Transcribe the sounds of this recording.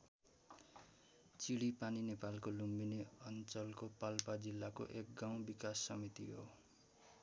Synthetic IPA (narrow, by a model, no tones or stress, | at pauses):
t͡siɽipaninepalkolumbineʌnt͡sʌlkopalpad͡zilːako̰ʔek̚ɡaw̃bikasːʌmit̪iɦo